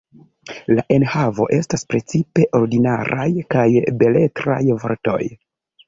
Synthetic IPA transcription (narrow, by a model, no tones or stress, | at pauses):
laʔe̞nhavo̞̰ʔe̞staspɾe̞t͡sipe̞ʔo̞ɾdinaɾajkajbe̞le̞tɾa̰jvo̞̰ɾto̞̰j